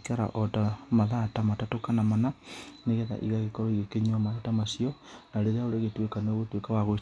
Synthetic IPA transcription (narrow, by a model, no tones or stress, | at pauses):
kaɾa̰ʔɔtamaðatamatatokanamananeɣɛða̰ʔḭɣaɣekɔɾɔiɣekeɲwamaðatamasiɔnaɾeɾaoɾeɣetwekaneoɣotwekawaɣo